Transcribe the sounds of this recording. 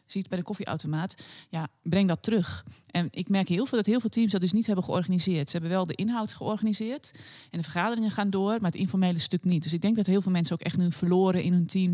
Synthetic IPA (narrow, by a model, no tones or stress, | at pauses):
sitbɛjdəkofiʔa̰wtomaːtjabrɪŋdɔtːərøxʔɛnʔɪkmɛrkhiəlˠfɪlˠdɔthiəlˠvɪːlˠtʰimsdɔt̚døsnithɛbənxəɔrɣanizɪərtsəhɛbənʋɛlˠdəʔɪnɦawtxəɔrxanizɪərtʔɛndəfərxaːdərɪŋənxaːndoərmaətinfɔrmeːləstøknit̚døs̬ɪɡ̚dɛŋk̚dɔtɦiəlˠvɪːlˠmɛnsəowkɛxtnyfərloːɾəʔɪnɦøntʰim